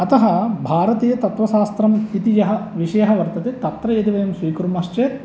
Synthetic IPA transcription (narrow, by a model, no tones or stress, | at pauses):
ɐt̪ɐɦɐbʱaːɾɐt̪iːjɐt̪ɐt̪ʋɐʃaːst̪ɾɐmit̪ijɐɦɐʋiʂɐjɐɦɐʋɐɾt̪ɐt̪et̪ɐt̪ɾɐjed̪iʋɐjɐmsʋiːkɾumɐʂt͡ʃeːt̪